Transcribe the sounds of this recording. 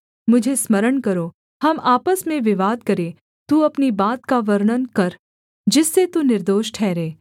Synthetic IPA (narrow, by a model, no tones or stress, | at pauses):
mʊd͡ʒʱesməɾəɳkəɾo | hɐmaːpəsmẽʋɪʋaːd̪̚kəɾe | t̪ũɐpnibaːt̪̚kaʋəɾɳənkəɾ | d͡ʒɪsːet̪unɪɾd̪oːʃʈʰɛːɾeː